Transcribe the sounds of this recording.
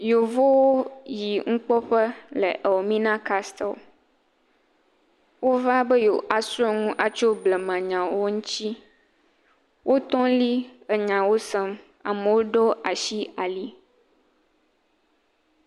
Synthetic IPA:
jo˨vo˦wo˦ji˨ŋ̩˦k͡pɔ˦ɸə˦lə̰˨ʔə˨wo˨mĩ˦nã˦ka˦st̪ɛ˨ | wo˦va˦bə˦jo˨ʔa˨su˦ɔ˦ŋũ˦ʔa˨t͡ʃo˦blɛ˨mã˨ɲã˨wo˦ŋũ˦t̪i˦ | wʔo˦t̪ɔ̃˦li˦ə˨ɲã˨wo˦sɛ˦m | a̰˨mə˨wo˦ɖɔ˦a˨ʃi˦a˨li˦

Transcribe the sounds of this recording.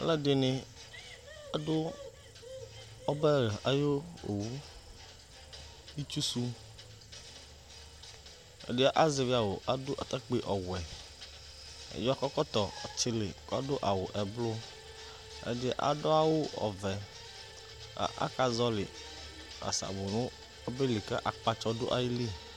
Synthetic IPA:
lɛ˦dɪ˨nɪ˨ | a˨dʊ˦ | ɔ˦bɛ˦ɾa̰˨jo˦o̰˨wu˦ | i˦t͡ʃu˦su˦ | ḛ˦dɪ˦ʔa˦ze˨vi˦a˨wo˨ʔa˨dʊ˦ʔa˨t̪a˦k͡pe˦ʔɔ˨wɛ˨ | ḛ˨jo˦a˦kɔ˦kɔ˦t̪ɔ˨ɔ˨t͡ʃɪ˦lɪ˨kɔ˦do˦ʔa˨wo˨ʔɛ˨blo˦ | ḛ˦dɪ˦ʔa̰˨dɔ˦a˦wo˦ɔ̰˨vɛ˨ | a̰˨ʔa̰˦ka˨zɔ˦lɪ˨ | a̰˨sa̰˨bo˨nʊ̃˦ | ɔ˦be˦lɪ˨kɛ̰˦ʔa˨k͡pa˦t͡ʃɔ˦do˦ʔa˨ji˦li˦

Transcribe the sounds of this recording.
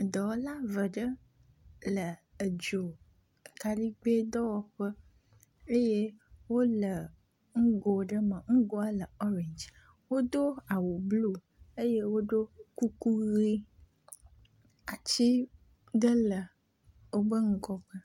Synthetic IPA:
d̪ə˨wo˦la˦və˨ɖə˦ | lə˨ə˨d͡ʒo˨ | ka˨ɖi˦ɡ͡be˦d̪ɔ˦wɔ˦ɸə˦ | e˦je˦wo˦lə˨ | ŋ̩˦ɡo˨ɖə˦mə˨ŋ̩˦ɡo˦a˦lə˨ɔ˦ɾẽ˨nd͡ʒ | wo˦d̪o˦a˨wo˨blu˦ | e˦je˦wo˦ɖo˦ku˦ku˦ɣi˦ | a˨t͡ɕi˦ | d̪ə˦lə˨ | wo˦bə˦ŋ̩˦ɡɔ˦ɡ͡bə˦

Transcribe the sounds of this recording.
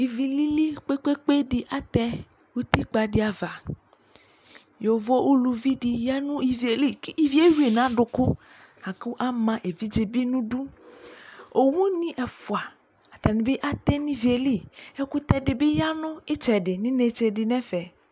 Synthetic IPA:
i˨vi˨li˦li˦k͡pe˦k͡pe˦k͡pe˦ɖi˨ʔa˦t̪ɛ˦ | wu˦t̪i˦k͡pa˨ɖi˨˦a˨va˨ | jo˨vo˦wʔu˦lu˨vi˦ɖi˨ja˦nũ˦i˨vi˨e˨li˦i˨vi˦e˦wi˦e˨nã˨˦ɖʊ˨kʊ˦ | ha˨ku˦ʔa˦mã˨ʔe˨vi˦d͡ʒe˨bi˦nũ˦ɖu˦ | o˨wũ˦nĩ˦ʔɛ˨fu˨a˨ | a˨t̪a˨nĩ˨be˦ʔa˦t̪ɛ˦nĩ˦vi˨e˨li˦˨e˦ku˦t̪ɛ˦ɖe˨be˦ja˦nʊ̃˦e˦t͡ʃɛ˨ɖe˨nĩ˦ne˨t͡ʃe˨ɖi˨nɛ̃˦fɛ˨

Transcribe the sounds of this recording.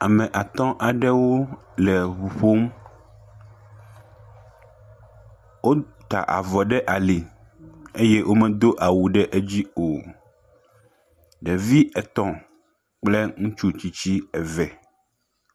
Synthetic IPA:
a˨mɛ̃˨ʔa˨t̪ɔ̃˦ʔa˨ɖɛ˦wo˦lɛ˨βu˨ɸo˦m | wo˦ | t̪a̰˨ʔa̰˨vɔ˨ɖɛ˦ʔa˨li˨ | e˦je˦ʔo˦mɛ̃˨d̪o˦ʔa˨wu˨ɖɛ˦ʔe˦d͡ʑi˦o˨ | ɖɛ˨vi˦ʔɛ˨t̪ɔ̃˨ | k͡plɛ˦ŋũ˦t͡ʃu˦t͡ɕi˨t͡ɕi˦ɛ˨vɛ˨

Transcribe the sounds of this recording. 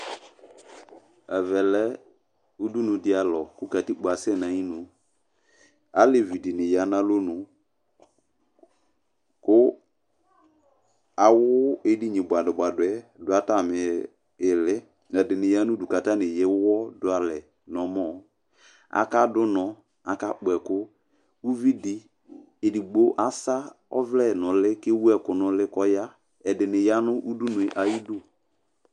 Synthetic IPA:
ɛ˨vɛ˨lɛ˦ | u˦du˦nũ˨dɪ˦a˨lɔ˨ku˦ka˨ti˦ɡ͡ba˨sɛ˦˨nã˨˦ɲĩ˦nũ˨ | a˦le˨vi˨di˨nɪ̃˨ja˨˦nã˦lo˦nũ˨ | kʊ˦ | a˨wʊ˦e˦di˦ɲĩ˨bʷa˨dʊ˨ba˨dʊ˨ɛ˨˦dʊ˨˦a˨ta˦˨mɪ̃˨ | ɪ˨lɪ˦ | ɛ˨dɪ˨nɪ˨ja˦nʊ̃˦du˨ka˨ta˦nɪ˨jɛ˦wɔ˦dʊ˦a˨lɛ˨ | nɔ˨mɔ˦˨ | a̰˨ka˦dʊ˦nɔ˨ | a˨ka˦k͡pɛ˨kʊ˦ | u˦vi˦di˦ | e˨di˨ɡ͡bo˦ʔa˦sa˦ɔ̰˦vlɛ˦˨nʊ̃˨lɪ˦kɪ˦wu˦ɛ˦˨kʊ˨nʊ̃˨lɪ˦kɔ˦ja˦ | ɛ˨dɪ˨nɪ˨ja˦nʊ̃˦ʔu˦du˦nʊ˨e˨ʔa˦ji˦dʊ˦

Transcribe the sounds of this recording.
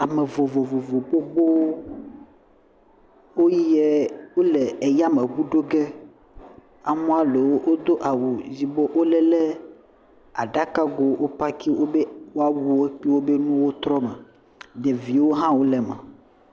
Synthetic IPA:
a˨me˨vo˨vo˨vo˨vo˨ɡ͡bo˦ɡ͡bo˦ | wo˦jɛ˦wo˦lɛ˨e˨ja˦me˨bu˦ɖo˦ɡɛ˦ | a˨mɔ̃˦a˦le˨wo˦ʔo˦d̪o˦ʔa˨wu˨zi˨bɔ˦ʔo˦lɛ˦lɛ˦ | a˨ɖa˦ka˦ɡo˦wʔo˦pa˦ki˦wo˦be˦wo˦a˦wu˦e˦k͡pi˦wo˦be˦nũ˦wo˦t̪ɾɔ˦mɛ˨ | ɖe˨vi˨wo˦ɦã˦wo˦lɛ˨mɛ̰̃˨

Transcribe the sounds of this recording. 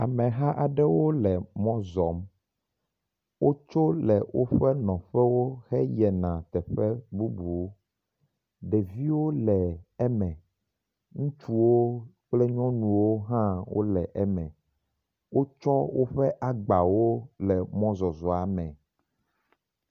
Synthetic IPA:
a˨mɛ̃˨ɦã˦ʔa˨ɖɛ˦wo˦lɛ˨mɔ̃˦zɔ˨˦m | wo˦t͡ʃo˦lɛ̰˨wʔo˦ɸɛ˦nɔ̃˨ɸɛ˦wo˦xɛ˦jɛ˨nã˨t̪ɛ˨ɸɛ˦bu˦bu˨˦ | ɖɛ˨vi˦wo˦lɛ˨ɛ˦mɛ̃˨ | ŋũ˦t͡ʃu˦wo˦ | k͡plɛ˦ɲɔ̃˦nũ˨wo˦ɦã˦wo̰˦lɛ˨ʔɛ˦mɛ̃˨ | wo˦t͡ʃɔ˦wo˦ɸɛ˦ʔa˦ɡ͡ba˨wo˦lɛ˨mɔ̃˦zɔ˨zɔ˨a˨mɛ̃˨

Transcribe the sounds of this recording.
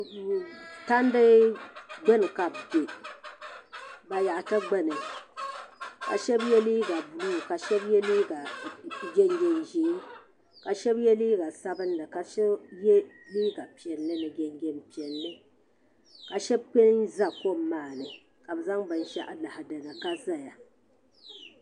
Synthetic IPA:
ta˦n˦dɨ˦ | ɡ͡bɛ˦nɨ˨ka˨b̚ɡɛ˨ | ba˨ja˨ʔa˨ta˦ɡ͡bɛ˦nɨ˨ | ka̰˨ʃɛ˦bjɛ˦liː˦ɡa˨blu˦˨ka˨ʃɛ˦bjɛ˦liː˦ɡa˨ɡʲɛ˦ŋ˦ɡʲɛ˦nʒiː˨˦ | ka˨ʃɛ˦bjɛ˦liː˦ɡa˨sa˦bɨ˦nnɨ˨ka˨ʃɛ˦jɛ˦ | liː˦ɡa˨pi˨ɛ˨lːɨ˦nɨ˨ɡɛ˦ŋɡʲɛ˦mpi˨ɛ˨nːɨ˦ | ka˨ʃɛ˦b̚k͡pe˦n˦nza˦ko˦m˦maː˦˨nɨ˨ | ka˨bza˦ŋbɨ˨nʃɛ̰˦ʔa˨la˨ha˨da˨na˨ka˦za˦ja˨

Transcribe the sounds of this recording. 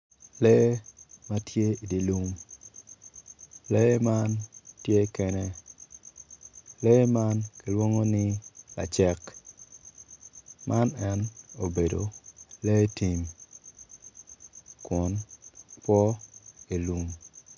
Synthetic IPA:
lɛ˦ma˦tje˦i˨di˨lu˦m | lɛ˦ma˦ntje˦kɛ˦nɛ˦ | lɛ˦ma˦nki˨lwo˦ŋo˦nɪ˦la̰˨t͡ʃɛ˦k | mʔa˦nɛ˦no˨be˨do̰˨lɛ˦ti˨m | kwɔ˨npwɔ˦e˨lu˨m

